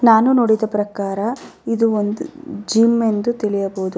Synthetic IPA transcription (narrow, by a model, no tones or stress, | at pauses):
naːnuno̞ːɽid̪ɐpɾɐkaːɾɐid̪uond̪ud͡ʒiːme̞nd̪ut̪iɭijɐboːd̪u